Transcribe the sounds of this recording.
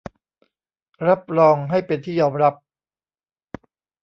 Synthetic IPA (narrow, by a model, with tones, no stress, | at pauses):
ɾa˦˥p̚ɾɔː˧ŋɦa˥˩jpe˧nt̪ʰiː˥˩jɔː˧mɾa˦˥p̚